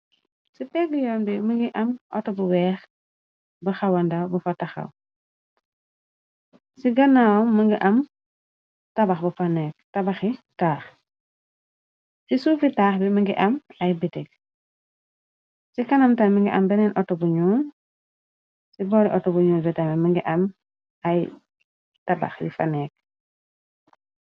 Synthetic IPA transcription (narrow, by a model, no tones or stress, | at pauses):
sipɛɡijɔːnbiməŋɡiʔɐmʔɔtɔbuwɛːx | bɐxawɐndawbufɐtɐxɐ̰w | siɡɐnawməŋɡiʔɐm | tɐbɐxbufanɛk̚tɐbaxitaːx | sisuːfitaːxbimiŋɡiʔɐmajbitek̚ | sikanamtanmiŋɡḭʔa̰mbɛnɛnʔɔtobuɲuːn | sibɔːɾiʔɔtobuɲuːlbitamiməŋɡiʔɐm | aj | taba̰xjḭfa̰neːk̚